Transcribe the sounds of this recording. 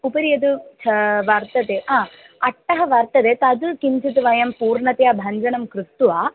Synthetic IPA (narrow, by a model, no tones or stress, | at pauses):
upɐɾijɐd̪ut͡ʃʰɐʋɐɾt̪ɐt̪eːʔãː | ɐʈːɐɦɐʋɐɾt̪ɐt̪eːt̪ɐd̪ukiɲt͡ʃɐt̪uʋɐjɐmpuːɾɳɐt̪jaːbʱɐɲd͡ʒɐnɐmkɾust̪uʋaː